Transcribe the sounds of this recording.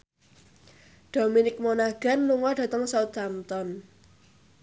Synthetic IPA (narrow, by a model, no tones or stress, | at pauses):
ɖ̥o̤minɪk̚monaɡ̥a̤nluŋɔɖ̥ä̤t̪əŋsɔd̪amt̪ɔn